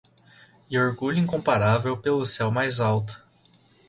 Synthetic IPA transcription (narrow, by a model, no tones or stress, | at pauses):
ɪoɾɡuʎʊĩŋkõmpaɾavewpelʊsɛwmajzawt̪ʊ̥